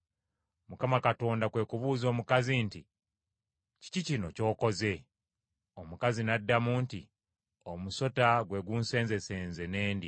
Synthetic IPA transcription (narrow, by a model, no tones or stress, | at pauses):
mukamakato̞ːndakwe̞ːkuβuːzo̞ːmukazinti | ci̥cicino̞co̞ːko̞ze̞ | omukazinadːamuːntḭ | omuso̞taɡwe̞ɡunse̞ːnze̞se̞ːnze̞ne̞ːndi